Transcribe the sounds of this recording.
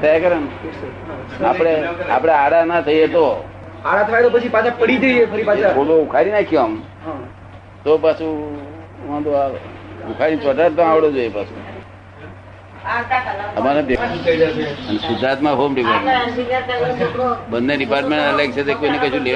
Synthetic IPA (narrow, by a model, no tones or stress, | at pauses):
t̪ʰəjakəɾən | apɽ̃eapɽ̃eaɽanat̪ʰəijet̪o | aɽat̪ʰəʋajet̪opət͡ʃʰipat͡ʃʰapəɽid͡ʒəiefʰəɾipat͡ʃʰaoloukʰaɾinakʰjoəm | t̪opasʰu | ʋãd̪oaʋukʰaɾit͡ʃɔʈaɾt̪õaʋɽod͡ʒojepasṵ | əmaneb̪i | ənesʊd̪ɾat̪mãɦomɖipaɾat̪okobənːeɖipaɾʈmẽɳaleɡ̚t͡ʃʰet̪ekojnekət͡ʃʰũle